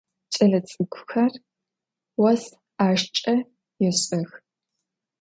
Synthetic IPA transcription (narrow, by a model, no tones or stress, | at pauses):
t͡ʃʼɐɮɐt͡sʼɨɡʷʊxɐr | wɐs | aːʃt͡ʃʼɐ | jɛɕʼɐx